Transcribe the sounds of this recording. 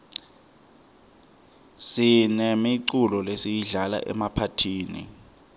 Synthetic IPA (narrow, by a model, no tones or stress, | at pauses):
sinɛmiǀulɔlesijiɮala̰ʔɛ̰mapʰatʰiːnḭ